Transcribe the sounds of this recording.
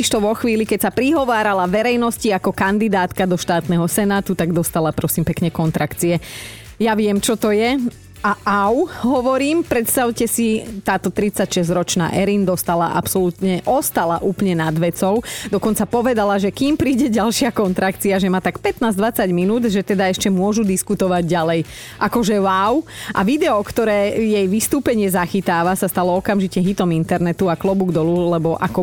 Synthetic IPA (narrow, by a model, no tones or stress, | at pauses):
iʃt̪ɔʋɔxʋiːlikɛcsapɾiɦɔʋaːɾalaʋɛɾɛjnɔsciakɔkand̪id̪aːt̪kad̪ɔʃt̪aːt̪nɛɦɔsɛnaːt̪ut̪aɡd̪ɔst̪alapɾɔsiːmpɛkɲɛkɔnt̪ɾakt͡siɛ | jaʋɪɛmt͡ʃɔt̪ɔjɛ | aʔaʊɦɔʋɔɾiːmpɾɛt̪st̪aʊcɛsit̪aːt̪ɔt̪ɾit͡sacʃɛzɾɔt͡ʃna̰ːʔɛɾind̪ɔst̪ala̰ʔa̰psɔlut̪ɲɛʔɔst̪alaʔuːplɲɛnad̪ʋɛt͡sɔʊd̪ɔkɔnt͡sapɔʋɛd̪alaʒɛkiːmpɾiːɟɛɟalʃɪakɔnt̪ɾak̪t͡siaʒɛmaːt̪akpɛt̪naːzd̪ʋat͡saɟminuːd̪ʒɛt̪ɛd̪aɛʃcɛmʊɔʒud̪iskut̪ɔʋaɟɟalɛj | ʔakɔʒɛwawʔa̰ʋid̪ɛɔkt̪ɔɾɛːjɛjʋist̪uːpɛɲɪɛzaxit̪aːʋasast̪alɔɔkamʒicɛɦit̪ɔmint̪ɛɾnɛt̪uaklɔbuɡd̪ɔlulɛbɔʔa̰kɔ